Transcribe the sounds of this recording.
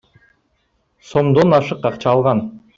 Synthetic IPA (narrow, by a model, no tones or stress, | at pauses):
so̞md̪onɑʃɯqɑqt͡ʃɑːlˠʁɑn